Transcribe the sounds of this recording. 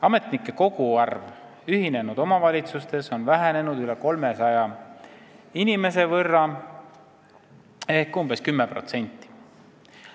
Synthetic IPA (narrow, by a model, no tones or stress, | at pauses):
ɑme̞t̪nikːˑe̞ko̞ɡ̥uɑrv | yɦine̞nud̪̥o̞mɑvɑlʲit̪sust̪e̞so̞nvæɦæne̞nud̪yle̞ko̞lme̞sɑjɑ | inime̞s̬e̞vɤrːɑ | e̞hkːumb̥e̞skymːepro̞̰t̪se̞nʲt̪ˑːi̥